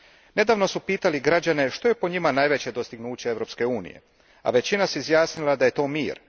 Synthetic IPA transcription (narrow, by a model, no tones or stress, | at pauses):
ne̞d̪aːʋno̞supiːt̪aliɡɾad͡ʑane̞ʃt̪o̞je̞poɲimanaːjʋe̞t͡ɕe̞d̪o̞st̪iɡnuːt͡ɕee̞ʋɾo̞pske̞uːnḭje̞̰ | a̰ʋe̞t͡ɕinaseizjaːsnilˠad̪aje̞t̪o̞ːmiːɾ